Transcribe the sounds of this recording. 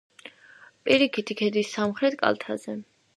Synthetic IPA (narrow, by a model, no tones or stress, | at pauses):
pʼiɾikʰit̪ʰikʰɛd̪isːamχɾɛt̪ʰkʼa̰lˠt̪ʰa̰zɛ